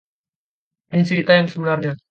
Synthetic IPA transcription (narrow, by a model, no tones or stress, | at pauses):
pinsipit̪ajaŋsəbənarɲa